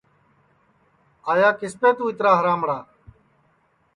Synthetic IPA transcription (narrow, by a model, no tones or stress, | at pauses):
aːjaːkɪspeːt̪ũːɪt̪ɾaːɦəɾaːmɽaː